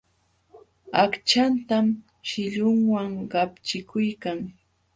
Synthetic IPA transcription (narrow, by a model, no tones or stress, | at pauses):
akt͡ʃant̪am | ʃɪʎʊŋwaŋɢɑpt͡ʃɪkʰʊjkaŋ